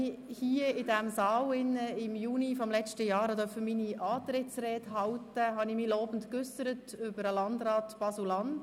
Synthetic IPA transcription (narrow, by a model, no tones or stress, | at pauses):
ihiəɪdɛmsɑːwɪnːəɪmjuːnifɔmlɛt͡ʃtəjɑːɾhɑdœfəminiʔɑːt̪ɾɪtt͡sɾɛːthɑwtəɦɑnɪmilɔːbən̩tkʏsəɾətʏbəɾəlɑndɾɑːtb̥ɑsulɑnd